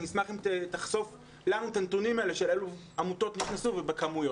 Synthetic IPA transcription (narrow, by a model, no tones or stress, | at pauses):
nismaχimtet̪aχso̞f | lanut̪antunimaeleʃelelu | amut̪o̞t̪niχnasuvebekamujo